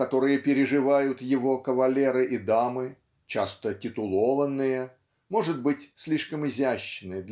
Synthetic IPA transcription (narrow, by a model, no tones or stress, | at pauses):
kɐt̪o̞ɾɨjəpʲɪɾʲɪʐɨvajʊt̪jɪvo̞kəvɐlʲe̞ɾɨʔɪd̪amɨ | t͡ɕa̰st̪ətʲɪt̪ʊlˠovənːɨjə | mo̞ʐɨt̪̚bɨtʲsʲlʲiʂkəmɪzʲæɕːɪnɨd̪lʲ